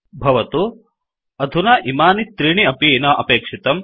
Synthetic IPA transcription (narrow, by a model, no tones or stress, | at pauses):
bʱɐʋɐt̪u | ɐd̪ʱunɐʔimaːnit̪ɾiɳiɐpiːnɐʔɐpeːkʂit̪ɐm